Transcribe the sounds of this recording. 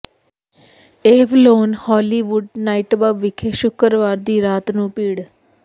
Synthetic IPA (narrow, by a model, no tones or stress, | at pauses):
eːʋloːnhɔːliːʋʊɖnaːiːʈbaːbʋɪkʰeːʃʊkəɾʋaːɾd̪iːɾaːt̪nũːpiːɽ